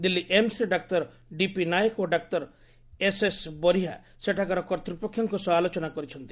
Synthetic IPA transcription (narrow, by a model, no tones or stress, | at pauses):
d̪ilːiʔemsiɾeɖak̚t̪ɔɾ | ɖipinajekoɖak̚t̪ɔɾ | esesbɔɾiɦa̰ | seʈʰakaɾɔkɔɾt̪ɾupɔkʰːjɔŋkusɔalot͡ʃɔnakɔɾit͡ʃʰɔnt̪i̥